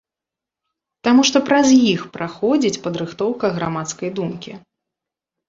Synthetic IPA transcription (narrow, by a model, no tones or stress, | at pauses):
t̪amuʂt̪ɔpɾɐzjixpɾaxɔd͡zʲit͡sʲpɐd̪ɾɨxt̪ɔwkɐɣɾamat̪skɐjd̪umkʲi